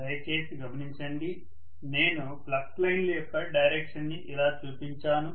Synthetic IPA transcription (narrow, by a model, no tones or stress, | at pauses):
ɐjt͡ʃe̞ːsiɡɐmɐniɲt͡ʃɐɳɖi | ne̞ːnu | plɐk̚slɐjnlɐjɔkːɐɖɐjɾeːkʂɐnːiʔilaːt͡ʃuːpiɲt͡ʃaːnu